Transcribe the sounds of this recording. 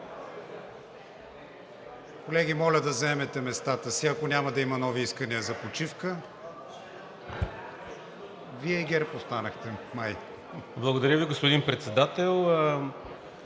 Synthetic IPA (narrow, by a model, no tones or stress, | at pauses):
kolɛɡʲimɔlʲəd̪ɐzɐɛmɛt̪ɛmɛst̪at̪əsiɐkonʲamɐd̪ɐimɐnɔviiskəniəzɐpot͡ʃifkə | viɛiɡɛɾpost̪anəxt̪ɛmaj | blˠəɡod̪ɐɾʲjəviɡospod̪inpɾɛt̪sɛd̪at̪ɛlˠ